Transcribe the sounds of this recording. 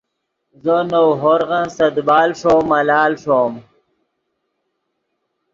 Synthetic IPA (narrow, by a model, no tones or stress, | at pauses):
zənowɦoɾʁənsɐd̪baːlʂomɐlaːlʂoːm